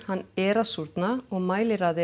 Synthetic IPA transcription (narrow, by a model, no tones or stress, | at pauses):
hanːɛːɾasuɾt̪naɔɣmaːjlɪɾaːðɪ